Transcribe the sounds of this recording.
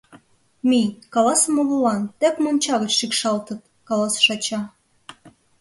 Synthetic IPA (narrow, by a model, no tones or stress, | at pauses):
mikɑlɑsmololɑnt̪epmonʲt͡ɕɑɣət͡ɕʃikʃɑlt̪ɤ̆t̪̚ | kɑlɑsʃɑt͡ɕɑ